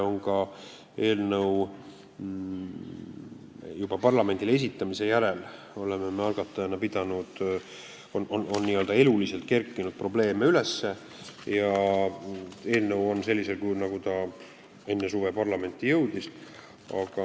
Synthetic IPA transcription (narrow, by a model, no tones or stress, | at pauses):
o̞ŋkɑ | e̞ːlnɤw | jub̥ɑpɑrlɑme̞nʲd̪ile̞sit̪ːˑɑmise̞jæɾe̞l | o̞le̞memeɑlɡ̥ɑt̪ːˑɑjɑnːɑpid̪̥ɑnud̪̥ | onʔono̞nːiːø̞ld̪̥ɑe̞lulise̞lt̪̚ke̞rkːˑinud̪̥̚pro̞ble̞ːme̞ylesːe̞ | jɑ | e̞ːlnəwo̞nse̞lʲːise̞lkujnɑɡ̥ut̪ɑ | e̞nːe̞suvepɑrlɑme̞nʲt̪ːˑijɤ̞wd̪̥is | ɑ̰ɡ̥ɑ